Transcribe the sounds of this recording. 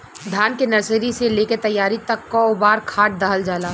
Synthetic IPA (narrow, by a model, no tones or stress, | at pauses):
d̪ʱjaːnkenɐɾseːɾiseleːket̪ɐjːaːɾit̪ɐkːɔːbaːɾkʰaːʈ̚d̪aːɦəld͡ʒaːlaː